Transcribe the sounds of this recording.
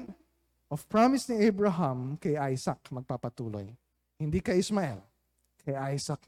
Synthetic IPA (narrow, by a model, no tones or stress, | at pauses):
ʔɔfpɹamɪsnɪɛjbɹɐɦɐmkɐjʔajsɐk̚mɐɡ̚papɐt̪uːlo̰j | hɪnd̪iːkɐjɪsmaɛ̰l | kʰɐjʔajsɐk̚